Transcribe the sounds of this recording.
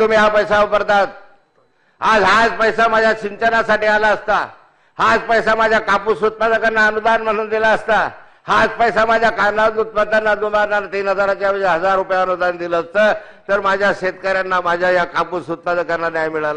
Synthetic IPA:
t̪umiːɦapəjsaupəɾt̪at̪̚ | ad͡zɦad͡zpəjsamad͡ʑʱjat͡ɕiɲt͡ɕənasaʈiːalaəst̪a | had͡zpəjsamad͡ʑʱjakapusut̪̚pad̪əkəɾnaənud̪anm̤əɽ̃uːnd̪ilaəst̪a | had͡zpəjsamad͡ʑʱjakaɾnanut̪̚pət̪anːad̪umanat̪iːnɦəd͡zaɾat͡ɕjabʱəeɦəd͡zaɾːupjaənud̪and̪iləːst̪əː | t̪əɾmad͡ʑʱjaɕet̪kəɾjanːamad͡ʑʱjajakapusut̪̚pad̪əkəɾnːanjajmiɭala

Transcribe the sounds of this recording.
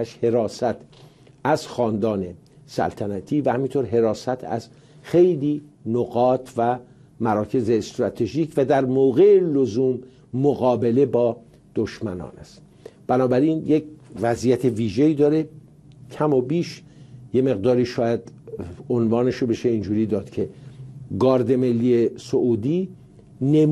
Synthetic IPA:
æʃhe̞ɾɒːsæt̪ʰ | æz̥xɒːnd̪ɒːne̞ | sæ̰lt̪ʰænæt̪ʰiːvæhæmint̪ʰoɾɦe̞ɾɒːsæt̪ʰæ̰z̥ | xe̞jliːnoɣɒːt̪ʰvæ | mæɾɒːcʰe̞zeːst̪ɾɒt̪ʰe̞ʒiːcʰvæd̪æɾmoːɣeelozuːmː | oɣɒːbe̞le̞bɒː | d̪̥o̞ʃmænɒ̰ːnæst̪ | b̥ænɒːbæɾiːnjecvæzijæt̪ʰe̞viːʒeiːd̪ɒːɾe̞ | cʰæmobiːʃ | je̞me̞ɣd̪ɒːɾiːʃɒːjæd̪onvɒːne̞ʃobe̞ʃe̞ind͡ʒuːɾiːd̪ɒːd̪̥cʰe̞ɡɒːɾd̪e̞me̞lːiːesoʔuːd̪iː | nem

